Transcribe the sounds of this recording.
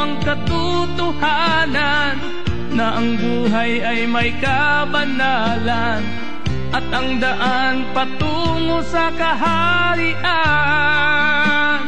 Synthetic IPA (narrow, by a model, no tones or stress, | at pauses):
ʔɐŋkɐt̪ʊ | t̪ʊha | na | nː | ɐʔɐŋbuːɦajɐjmɐjka | bɐna | la | n | ʔɐt̪̚ʔɐŋd̪aʔa | npɐt̪u | ŋosɐkɐɦa | ɾɪʔa